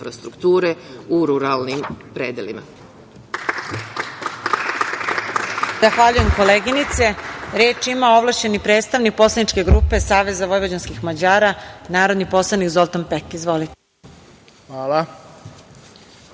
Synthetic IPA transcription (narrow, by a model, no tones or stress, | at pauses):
fɾast̪ɾukt̪uːɾeuɾuɾalnimpɾeːd̪elima̰ | z̥axʋaʎuje̞mko̞leːɡinit̪se̞ɾeːt͡ʃimao̞ʋlˠaʃt͡ɕe̞nipɾeːt̪st̪aʋnik̚po̞slˠanit͡ʃke̞ɡɾuːpe̞saːʋe̞zaʋo̞jʋod͡ʑanskixmad͡ʑaːɾanaːɾo̞d̪nipo̞slˠanikzo̞lt̪ompekizʋo̞lit̪e | ʋaːla